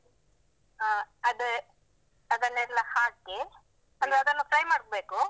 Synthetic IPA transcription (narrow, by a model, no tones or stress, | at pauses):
aɐd̪u | ɐd̪ɐnːeɾlɐhaːkːe | ɐlɐɐd̪ɐnːɐʈɾɐjmaːɽk̚beːku